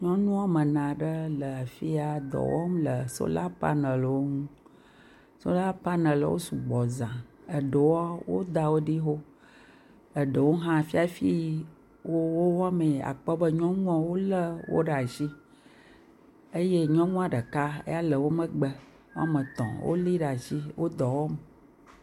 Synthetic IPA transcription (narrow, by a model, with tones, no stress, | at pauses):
ɲɔ̃˦nũ˦a˦mə˨nã˨ɖə˦lə˨a˨fi˦a˨d̪ɔ̰˨wɔ̰˦m˦lə˨so̰˦la˦pa̰˦nə˨lwo˦ŋũ˦ | so̰˦la˦pa˦nə̃˨l̰wo̰˦su˨ɡ͡bɔ˨zã˨ | ə˨ɖə˨wɔ˦wo̰˦d̪a˨wo˦ɖi˦ɦo˦ | ə˨ɖə˨wo˦ɦã˦˨fi˦a˨fi˦ | wo˦wo˦wa˦mẽ˨a̰˨k͡pɔ˦bə˦ɲɔ̃˦ŋũ˦ɔ̃˦wo˦lə˦wo̰˦ɖa˨ʃi˦ | ə˦je˦ɲɔ̃˦ŋũ˦a˨ɖə˨ka˦ḛ˦ja˦lə˨wo˦mə˦ɡ͡bə˦˨ | wo˦a˦mə̃˨t̪ɔ̰̃˨wʔo̰˦li˦ɖa˨ʃi˦wo˦d̪ɔ˨wɔ˦m